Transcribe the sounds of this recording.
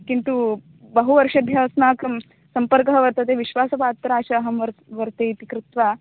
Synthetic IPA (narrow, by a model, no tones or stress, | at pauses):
kint̪u | bɐɦuʋɐɾʂɐd̪ʱjaːsnaːk | sɐmpɐɾkɐɦɐʋɐɾt̪ɐt̪eːʋiʃʋaːsɐpaːt̪ːɾaːʃɐːɦɐmʋɐɾʋɐɾt̪eːit̪ikɾɪt̪ʋaː